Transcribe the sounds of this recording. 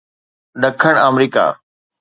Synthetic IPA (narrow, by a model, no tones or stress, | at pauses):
ɗɐkʰəɽ̃əmɾiːka̰ː